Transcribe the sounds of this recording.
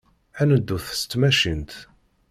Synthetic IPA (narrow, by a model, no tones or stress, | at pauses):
ænəd̪ːuθə̥st̪ːmæʃint̪